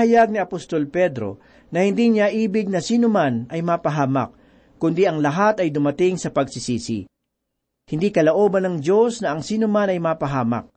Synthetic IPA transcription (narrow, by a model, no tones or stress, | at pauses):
hɐjaɡ̚niɐpost̪o̞lpɛd̪ɾo̞̰ | nɐhɪnd̪iɲaʔiːbɪɡ̚nɐsiːnomanʔɐjmaːpɐɦaːmɐ̰k̚ | kʊnd̪iʔɐŋlɐɦat̪ɐjd̪ʊmɐt̪ɪŋsɐpɐɡ̚sɪsiːsḭ | hɪnd̪ikɐloʔoːbɐnɐŋd̪o̞snɐʔɐŋsiːnomanɐjmaːpɐɦaːmɐ̰k̚